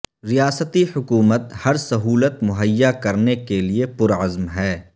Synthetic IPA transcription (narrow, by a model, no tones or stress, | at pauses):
ɾijaːsət̪ihʊkuːmət̪hɐɾsɐɦuːlət̪mʊɦəjːakɐɾnekeliepʊɾɐzmɦɛː